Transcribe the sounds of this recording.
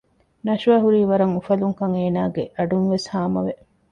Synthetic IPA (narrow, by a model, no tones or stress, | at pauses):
nɐʃɐɦuɾiːʋɐɾɐŋufɐluŋkɐŋeːnaːɡeʔɐɖunʋeshaːmɐ̰ʋe